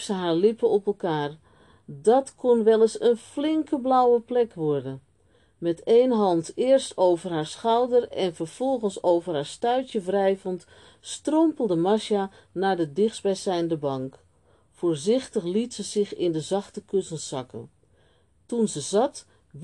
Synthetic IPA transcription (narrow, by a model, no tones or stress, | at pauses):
səɦaːɹlɪpəɔpəlˠkaːr | dɑtkʰonʋɛlˠəsənflɪŋkəblawəplɛkʋɔɹdən | mɛteːjnɦɑntɪːrstoːwvərɦaːɹsxawdərɛnfərv̥ɔlˠɣənsowvərɦaːɹstœɥtjəvrɛjvənt | strompəlˠdəmaʃja | naːɹdədɪxsbɛjsɛjndəbɑŋk | foːɹzɪxtəxlitsəz̥ɪxɪndəzɑxtəkøsənsɑkə̰n | tunzəzɑt